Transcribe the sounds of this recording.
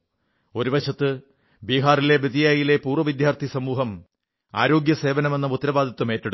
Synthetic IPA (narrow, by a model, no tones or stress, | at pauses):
o̞ɾuʋɐɕɐt̪ːɨ | biːɦaːrile̞bid̪ijaːjilepuːrʋɐʋid̪jaːrt̪ʰisɐmuːɦɐm | a̰ːɾo̞ːɡjɐse̞ːʋɐnɐme̞nːɐut̪ːɾɐbaːd̪ʱɐt̪ːumeːtːɐɽu